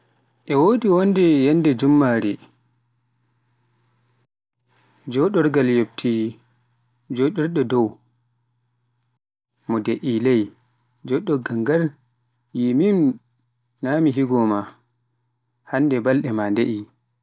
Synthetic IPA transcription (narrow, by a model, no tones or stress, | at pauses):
ʔɛwoːdiwondɛjɛndɛd͡ʒumːaɾi | d͡ʒɔɗɔɾɡaljobtʰi | d͡ʒɔɗɔɾɗɔdɔw | mɔdeʔilɛj | d͡ʒɔɗɔɡaŋɡal | jimim | naːmiɦiɡɔma | handɛbalɗɛmandeʔi